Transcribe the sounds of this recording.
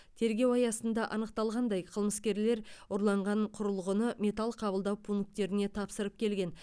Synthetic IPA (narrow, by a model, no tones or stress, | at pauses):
t̪ʰe̞ɾɡʲe̞wɑjɑsənd̪ɑʔɑnəq̚t̪ɑlˠʁɑnd̪ɑjqʰəlˠməskʲe̞ɾle̞ɾʊɾlˠɑɴʁɑɴqʰʊɾəlˠʁənəmʲe̞t̪alˠqʰɑbəlˠd̪ɑwpʰuŋk̚t̪e̞ɾɪne̞t̪ʰɑpsəɾəp̚kʲʰe̞lɡʲe̞n